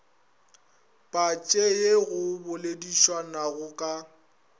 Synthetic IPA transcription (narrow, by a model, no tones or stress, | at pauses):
pʼat͡ʃʼejeɣʊbʊlediʃwanaɣʊkʼa